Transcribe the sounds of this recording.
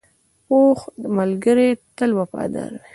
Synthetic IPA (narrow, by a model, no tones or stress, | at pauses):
poxəmalɡəɾet̪əlwapɑ̰d̪a̰ɾwe